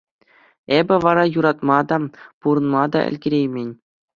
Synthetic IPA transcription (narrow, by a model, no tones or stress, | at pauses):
ebʲɘ̆ʋɑɾɑjuɾɑt̪mɑd̪ɑpuɾɤ̆nmɑd̪ɑ̰ɘ̰̆lʲɡʲĕɾʲejmʲenʲ